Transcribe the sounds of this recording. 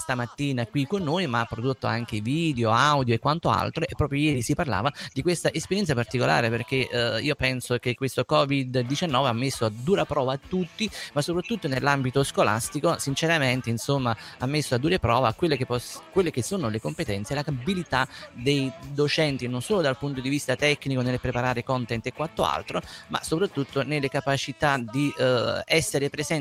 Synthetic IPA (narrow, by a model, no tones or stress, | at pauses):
st̪amat̪ːiːnakwikonːojmaapːɾod̪ot̪ːo̰a̰ŋk̟eviːd̪eoawd̪joekːwant̪oa̰lt̪ɾoʔepːɾɔːpɾjojɛːɾisiparla̰ːvad̪ikwest̪aʔespeɾjɛnsapart̪ikola̰ːɾeperk̟eiːopɛnsok̟ekːwest̪okɔːvid̪ːit͡ʃanːɔːveamːesːoad̪ːuːɾapɾɔːvaːt̪ːut̪ːimasːopɾat̪ːut̪ːonelːambit̪oskola̰st̪ikosint͡ʃeɾament̪einsomːaamːesːoad̪uːɾepɾɔːvakːwelːekepːɔkwelːek̟esːoːnolekompet̪ɛnt̪sjelakabilit̪ad̪ejd̪ot͡ʃɛnt̪inonsoːlod̪alpunt̪od̪ivist̪at̪ɛkːnikonelpɾepaɾaːɾekɔnt̪ɛnt̪ekːwat̪ːoa̰lt̪ɾoma̰sopɾat̪ːut̪ːonelːekapat͡ʃit̪ad̪iɛsːeɾepɾezɛn